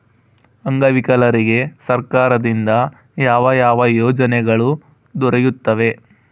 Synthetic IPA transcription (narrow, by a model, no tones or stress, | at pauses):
ɐŋɡɐʋikɐlɐɾiɡe̞sɐɾkaːɾɐd̪ind̪ɐ | jaːʋɐjaːʋɐjɔːd͡ʒɐnɛɡɐɭu | d̪ɔɾɛjut̪ːɐʋe̞